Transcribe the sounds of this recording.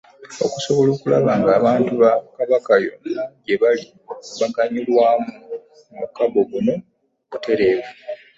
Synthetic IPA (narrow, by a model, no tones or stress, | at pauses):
o̞̰kuso̞βo̞loːkula̰βaːŋɡaːβaːntuβakaβakajo̞̰naɟe̞βali | βakaɲulwaːmu | mṵkaβo̞βuno̞ | βute̞ɾe̞ːβe